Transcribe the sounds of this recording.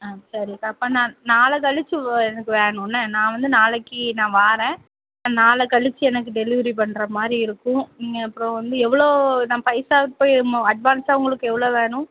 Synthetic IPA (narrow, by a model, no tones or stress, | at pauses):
aːsɐɾikaɐpːɐ̃ːnãːnaːlɐk̬ɐɭɪt͡ʃːɯɛnɐkːɯʋeːɳʊ̃nːɐnãːʋɐnd̪ɯnaːlɐkːinãːʋaːɾɛ̃ː | nãːnaːlɐkɐɭɪt͡ʃːɯɛnɐk̬ːɯɖɛlɪʋɐɾip̬ɐɳːɾɐmaːd̪ɾiɪɾɯkːʊ̃niɡɐɐpːɯɾõʋɐnd̪ɯɛʋːɐɭoːnaːpɐɪsaːʋ̪poːmɐɖʋaːnsaːʊŋɡɐɭɯkːɯɛʋːɐɭoːʋeːɳʊ̃